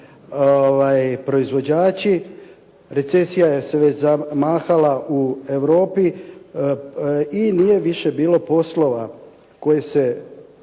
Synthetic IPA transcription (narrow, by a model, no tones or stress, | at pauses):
oʋajpɾo̞izʋo̞d͡ʑaːt͡ɕi | ɾe̞t̪se̞sijajeseʋet͡ʃzamaːxalaʔue̞ʋɾo̞ːpi | inije̞ʋiʃe̞biːlo̞po̞slo̞ʋa | ko̞jese̞